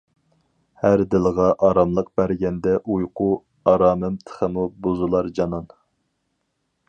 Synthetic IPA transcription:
hæɾd̪ɪlˠəʁɑʔɑɾɑmlˠəq̚b̥æɾɡʲɛnd̪ɛʔujqʰʊ | ɑɾɑːmɛmt̪ʰə̥χəmubozulˠɑɾd͡ʒɑnɑn

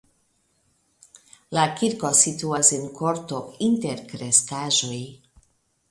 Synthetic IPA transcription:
lakiɾko̞situasenkʰo̞ɾto̞inte̞ɾkɾe̞skaʒo̞j

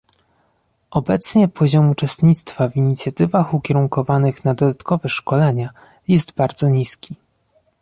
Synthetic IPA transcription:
ʔɔbɛt̪sɲɛpʰɔʑɔmut͡ʂɛst̪ɲit̪st̪faviɲit̪sʲjat̪ɘvaxukʲɛɾuŋkɔvanɘxnad̪ɔd̪at̪kɔvɛʂkɔlɛɲa | jɛst̪baɾd̪zɔɲiskʲi

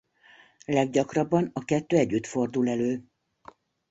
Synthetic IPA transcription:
lɛɡɟɒkrɒbːɒnɒkɛt̪ːøːɛɟːyt̪fo̞rd̪ulɛløː

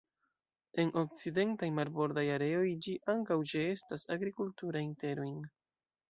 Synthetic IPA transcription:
e̞nʔo̞k̚t͡side̞ntajmaɾbo̞ɾdajaɾe̞o̞jd͡ʒiʔaŋkawt͡ʃeestasaɡɾikultuɾainte̞ɾoiŋ

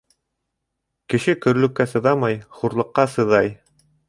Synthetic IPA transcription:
kɘ̆ʃɘkɵ̆ɾlɵ̆k̚kːæsɤ̆ðɑmɑjχuɾlˠɤ̆qːɑsɤ̆ðɑj

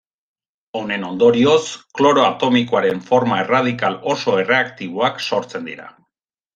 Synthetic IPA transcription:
o̞ne̞no̞nd̪o̞ɾio̞sklo̞ɾo̞at̪o̞mikoaɾe̞ɱfo̞ɾmaerað̞ikalo̞so̞e̞re̞akt̪iβ̞oakso̞ɾt͡se̞nd̪ḭɾa̰

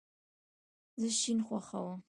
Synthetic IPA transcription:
zɨʃinχʷɔχɐ̰wɐ

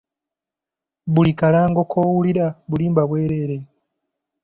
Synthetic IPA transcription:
βulikalaːŋɡo̞kʰo̞ːwuliɾaβulimbaβwe̞ːɾe̞ːɾe

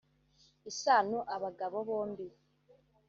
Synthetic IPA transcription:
isaːnuʔaβaɡaβoβoːmbi

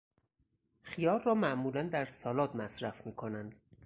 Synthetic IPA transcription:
xijɒːlːɒːmæʔmuːlænd̪æɾsɒːlɒːt̪mæsɾæfmiːkʰonænd̪̥

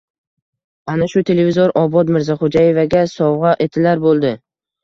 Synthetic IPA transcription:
anaʃʊt̪ʰe̞le̞vɪzoɾɒbɒt̪mɪɾzɒχod͡ʒaje̞vaɡʲasɒwʁɑʔe̞t̪ʰɪlaɾbolˠd̪ɪ

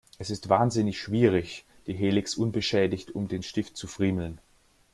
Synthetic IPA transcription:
ʔɛsɪstv̥aːnzɪnɪçʃv̥iːʁ̞ɪç | d̥iːɦeːlɪksʔʊnbəʃɛːdɪçtʊmdeːnʃtɪft̚t͡sufʁ̥iːml̩n

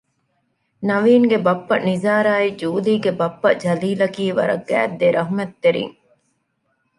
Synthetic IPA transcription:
nɐʋiːŋɡebɐpːɐnizaːɾaːid͡ʒuːliːɡebɐpːɐd͡ʒɐliːlɐkiːʋɐ̰ɾɐ̰ɡːæ̰ːd̪eɾʔɐɦumet̪ːeɾḭːŋ

